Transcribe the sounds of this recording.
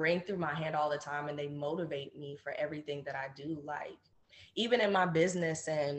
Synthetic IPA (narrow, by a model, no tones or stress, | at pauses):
ɹɪ̃ŋθɹʉmaɪɦæ̃ndɔlˠðətʰãɪ̃mɨ̃nðeɪmoʊɾɨveɪt̚mifə˞ʔɛvɹiθɪ̃ŋðɨɾaɪdɨlaɪk̚ | ivɨ̃ñɨ̃nmaɪbɪznɨsɨ̃n